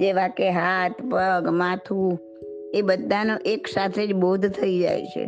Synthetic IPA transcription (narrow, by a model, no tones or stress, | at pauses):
d͡ʒeʋakeɦat̪pəɡmat̪ʰu | ebəd̪ʱːanoʔeksat̪ʰed͡ʒboɦud̪ʱt̪ʰəid͡ʒa̰jt͡ʃʰḛ